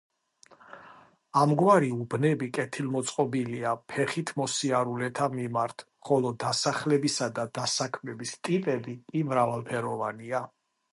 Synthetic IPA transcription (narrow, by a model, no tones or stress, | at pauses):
amɡwaɾiubnɛbikʼɛt̪ʰilmɔt̪sʼqʼɔbiliapʰɛχit̪ʰmɔsiaɾulɛt̪ʰamimaɾt̪ʰ | χɔlˠɔd̪asaχlɛbisad̪ad̪asakʰmɛbist̪ʼipʼɛbikʼimɾavalˠpʰɛɾɔvania